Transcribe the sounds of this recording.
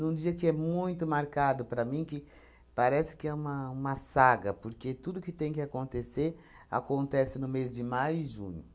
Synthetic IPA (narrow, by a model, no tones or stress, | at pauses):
nũd͡ʒiɐkɪɛmũj̃t̪ʊmaɾkad̪ʊpɾɐmĩkɪ | paɾɛsɪ̥kɪɛũmɐũmɐsaɡɐpoɾket̪ud̪ʊkɪt̪ẽj̃kɪakõnt̪eseɾ | a̰kõnt̪ɛsɪnʊmezd͡ʒɪmajʊɪʒṵ̃ɲʊ